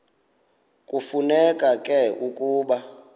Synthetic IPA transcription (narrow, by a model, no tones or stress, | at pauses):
kʼufunɛkʼakʼɛʔukʼuːɓa